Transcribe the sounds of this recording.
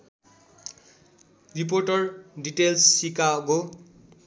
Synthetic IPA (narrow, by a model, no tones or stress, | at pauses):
rip̬orʈʌrɖiʈelsːikaɡo